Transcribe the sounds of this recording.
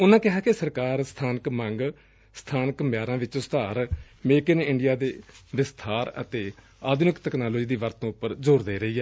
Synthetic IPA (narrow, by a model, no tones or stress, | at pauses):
ʊnãːkɪɦaːkesəɾkaːɾst̪ʰaːnəkmə̃ŋɡ | st̪ʰaːnəkmɪjaːɾãːʋɪt͡ʃʊst̪ʰaːɾ | meːkənɪɳɖɪjaːd̪ed̪eːst̪ʰaːɾə̰t̪eː | aːd̪nɪkt̪ɛːknaːloːd͡ʒiːd̪iːʋəɾt̪ːõːʊpːəɾd͡ʒoːɾd̪eːɾəiːɛː